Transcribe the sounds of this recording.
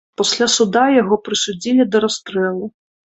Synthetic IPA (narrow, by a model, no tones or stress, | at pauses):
pasʲlʲasud̪ajaɣɔpɾɨsud͡zʲilʲid̪ɐɾast̪ɾɛlˠu